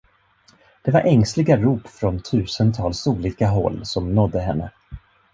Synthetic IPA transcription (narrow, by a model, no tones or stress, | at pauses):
d̪̥ɛvaɾʔɛŋslɪɡaɾuːpfɾɔnt̪ʰʉ̟ːsənt̪ʰɑːlsuːliːkaɦɔ̰lːsɔmnɔd̪ːəɦɛnːə̰